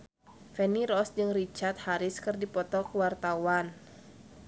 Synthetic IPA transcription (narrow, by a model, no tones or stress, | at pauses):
fɛniɾɔsd͡ʒɨŋrit͡ʃart̪̚haɾɪskɨrdipɔt̪ɔkəwart̪awan